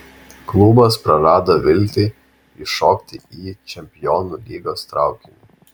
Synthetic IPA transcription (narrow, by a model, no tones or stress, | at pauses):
klˠʊbɐspɾɐɾɑːd̪oʋʲɪlʲt̪ʲɪ | ɪʃɔːkt̪ʲɪiːt͡ʃʲɛmʲpʲɪjɔːnulʲiːɡoːst̪ɾɑˑʊkʲɪnʲṵ